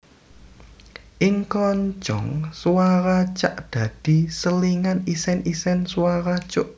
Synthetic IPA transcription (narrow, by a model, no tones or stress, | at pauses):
ʔɪŋkɔɲd͡ʒɔŋswaɾat͡ʃaʔd̪̥ä̤d̪̥i̤səliŋanisɛnisɛnswaɾat͡ʃʊʔ